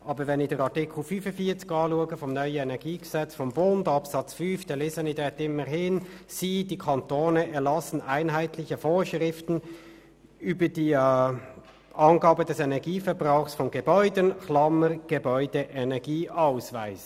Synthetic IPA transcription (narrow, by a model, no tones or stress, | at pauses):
ʔɑːbəvɛnɪçd̥eːʁɑɐtɪkʰl̩fynfənfiːɐt͡sɪ̥ɡɑːluəɡəfɔmnœʏəɛnɛɐɡiːɡ̥əz̥ɛt͡sfɔmbondɑpsɑt͡sfynfd̥ɛlɪsɛnidɛːtɪməʁɦɪn | siːd̥iːkʰɑntoːnəʔɛɐlɑsn̩aɪnɦaɪtlɪçəfoːʃʁɪftn̩ | yːbəd̥iː | ʔɑnɡɑːbədɛsɛnɛɐɡiːfɛɐbʁaʊxsfɔnɡəbɔʏdənklɑməɡ̥ebɔʏd̥əʔɛnɛɐɡiːʔaʊsvaɪs